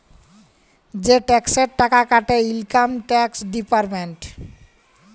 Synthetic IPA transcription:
d͡ʑeʈɛkseɾʈakakaʈeilkamʈɛksɖipaɾmenʈ

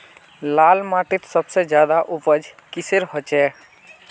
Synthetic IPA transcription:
laːlmaʈit̪səbsed͡ʒjad̪aʔupəd͡ʒkiseɾɦot͡ʃɛ

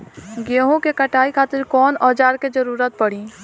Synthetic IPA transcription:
ɡeːɦõkekɐʈʰaːikʰaːt̪ɪɾkɔːnɔːd͡ʒaːɾked͡ʒəɾuːɾət̪̚pɐɽĩː

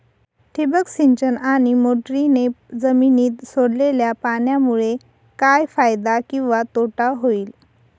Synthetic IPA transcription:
ʈʰibəksiɲt͡ɕənañimoʈɾined͡zəminiːt̪soɽleljapaɳjamuɭe | kajfajd̪akĩw̃ʋat̪oʈaɦoiːl

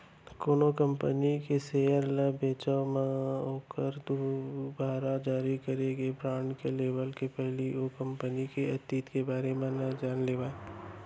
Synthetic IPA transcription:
koːnokə̃mpənikeseːjəɾləbeːt͡ʃəʋmãoːkəɾd̪ubaːɾad͡ʒaːɾikɐɾeɡebɾãːɳɖkeleːʋəlkepɛɦliokɐ̃mpənikeɐt̪iːt̪kebaːɾemẽnɐd͡ʒaːnleːʋaːe

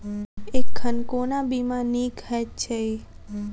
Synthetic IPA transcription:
ekʰːənkonabimãnikɦɛt͡ʃʰei

